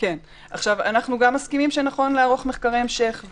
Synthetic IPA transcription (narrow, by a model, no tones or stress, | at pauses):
ke̞n | aχʃavanaχnuɡamːaskimimʃenaχo̞nleaʁo̞χmeχkaʁeemʃe̞χv